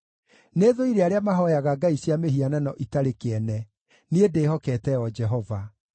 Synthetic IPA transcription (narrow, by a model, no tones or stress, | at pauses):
neðoiɾeaɾeamaɦɔjaɣaɡaiɕjameɦiananɔʔitaɾekeɛnɛ | niedeːhɔkɛtɛɔd͡ʒɛɦɔva